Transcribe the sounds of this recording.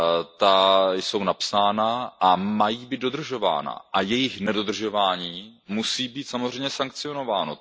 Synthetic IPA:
t̪ajso̞wnapsaːnaʔamajiːbiːt̪̚do̞d̪r̩ʒo̞va̰ːna̰ʔajɛjɪxnɛdo̞d̪r̩ʒo̞vaːɲiːmusiːbiːt̪samozr̝ɛjmɲɛsaŋk̚t͡sɪo̞no̞vaːno

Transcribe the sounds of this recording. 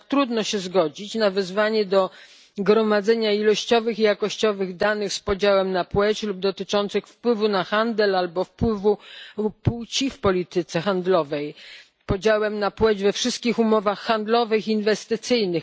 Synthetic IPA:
t̪ɾud̪nɔɕɛzɡɔd͡ʑit͡ɕnavɛzvaɲɛd̪ɔ | ɡɾɔmad̪zɛɲailɔɕt͡ɕɔvɘxijakɔɕt͡ɕɔvɘɣd̪anɘxspɔd͡ʑawɛmnapwɛt͡ɕlub̚d̪ɔt̪ɘt͡ʂɔnt̪sɘxfpwɘvunaxand̪ɛlalbɔfpwɘvupuwt͡ɕifpɔlʲit̪ɘt̪sɛxand̪lɔvɛj | pɔd͡ʑawɛmnapwɛd͡ʑvɛfʂɘst̪kʲixumɔvaxːand̪lɔvɘxiːnvɛst̪ɘt̪sɘjnɘx

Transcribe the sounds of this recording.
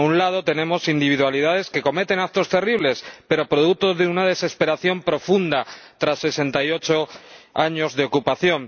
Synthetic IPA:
unlað̞o̞t̪e̞nẽ̞mo̞sind̪iβ̞iðwaliðaðe̞ske̞ko̞me̞t̪e̞nak̚t̪o̞st̪e̞riβ̞le̞spe̞ɾo̞pɾo̞ð̞uk̚t̪ozðeunaðe̞se̞spe̞ɾaθjo̞mpɾo̞fund̪at̪ɾasːe̞se̞nt̪ajo̞t͡ʃo̞aɲo̞zðe̞o̞kupaθjo̞n

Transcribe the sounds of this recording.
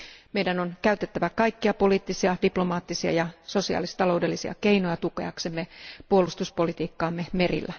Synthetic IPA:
mejdænonkæyt̪et̪ːæʋækɑikːiɑpo̞liːt̪ːisiɑd̥iplo̞mɑːt̪ːisiɑ̰jɑso̞siɑ̰ːlist̪ɑlo̞wde̞lːisiɑ̰keinojɑt̪ukḛɑksemːepuolust̪uspo̞lit̪iːkːɑːmːeme̞rḭlːæ

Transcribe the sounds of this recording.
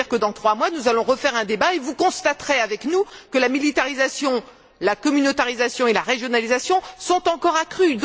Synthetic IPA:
iʁkəd̪ɑ̃t̪χwamwanuzalɔ̃ʁəfɛʁɛ̃d̪ebaevukɔ̃st̪at̪χɛavɛknukəlamilit̪aʁizasjɔ̃ | lakɔmynot̪aʁizasjɔ̃elaʁeʒjɔnalizasjɔ̃sɔ̃t̪ɑ̃kɔʁakχyd̪

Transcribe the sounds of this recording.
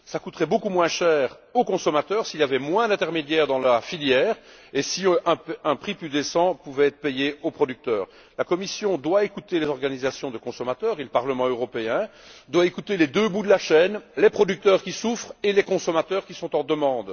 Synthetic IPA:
sakut̪ʁɛbokumwɛ̃ʃɛːʁ | okɔ̃sɔmat̪œːʁsiljavɛmwɛ̃d̪ɛ̃t̪ɛʁmed̪jɛʁd̪ɑ̃lafiljɛːʁ | esiɛ̃ɛ̃pχiplyd̪esɑ̃puvɛɛt̪χəpejeopχɔd̪yk̚t̪œːʁ | lakɔmisjɔ̃d̪waekut̪elezɔʁɡanizasjɔ̃d̪əkɔ̃sɔmat̪œːʁeləpaʁləmɑ̃øʁɔpeɛ̃d̪waekut̪elɛd̪øbud̪əlaʃɛːnlepχɔd̪yk̚t̪œʁkʲisufχelɛkɔ̃sɔmat̪œːʁkʲisɔ̃t̪ɑ̃d̪əmɑ̃d̪

